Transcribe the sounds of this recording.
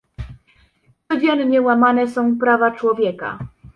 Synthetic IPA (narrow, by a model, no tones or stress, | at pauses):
t͡s̪ɔd͡ʑɛnɲɛwamanɛsɔ̃w̃pɾavat͡ʂwɔvʲjɛka̰